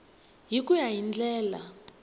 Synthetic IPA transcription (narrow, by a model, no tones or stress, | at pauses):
ɦikujaɦind͡ɮɛːla̰